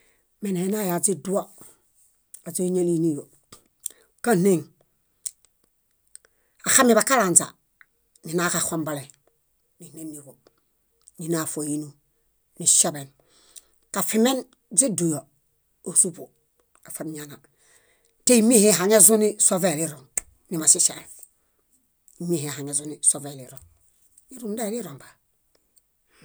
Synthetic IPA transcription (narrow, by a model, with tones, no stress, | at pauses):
me˨ne˨˦na˦ja˨zi˦du˦a˦ | a˨ze˦ɲe˦li˦ni˦jo˨ | ka˦ne˦˨ŋ | a˨xa˦mːi˨ba˨ka˦ɾa˨nza̰˨ | mi˨na˦ka˨xo˨mba˨le˨ | ni˨ne˦nːi˨ko˨ | ni˨na˨fo˨ji˦nu˨ | ni˨ʃa˦be˨n | ka˨fi˨me˦n | zi˦du˨jo˨ | o˨su˦bu˨ | a˨fa˨nɲa˨na˨ | te˦i˦mi˦he˦ɦa˨ɲe˦zu˦ni˦so˦ve˦li˦ɾo˨n | ni˨ma˨si˦se˨ | i˨mi˦he˨ha˨ɲe˨zu˦ni˨so˨ve˨li˨ɾo˨n | ni˦ɾu˦nda˦li˦ɾo˨mba˨